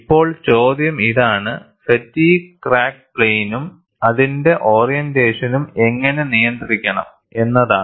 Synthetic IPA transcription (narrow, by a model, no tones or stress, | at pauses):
ipːo̞ːɭt͡ɕo̞ːd̪jɐmiðaːɳɨ | sɐtːijkraːk̚pɭejnum | ɐðinde̞ʔo̞ːrijɐndeːʂɐnume̞ŋːɐne̞nijɐnd̪iɾikʲːɐɳɐ̰m | e̞nːɐða̰ː